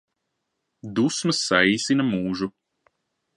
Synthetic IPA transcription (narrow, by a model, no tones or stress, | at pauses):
d̪usmɨsːaisinɐmuːʒu